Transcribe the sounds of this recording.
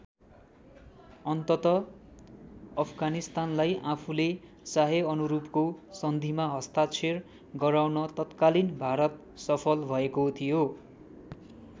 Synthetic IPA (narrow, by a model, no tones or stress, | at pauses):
ʌnt̪ʌt̪ʌ | ʌpʰɡanist̪anlajʔapʰule | saɦeʌnuɾupkosʌnd̪ʱimaɦʌst̪at͡sʰer | ɡʌɾawnʌt̪ʌt̪kalinbʱaɾʌt̪ | sʌpʰʌlbʱʌekot̪ʰijo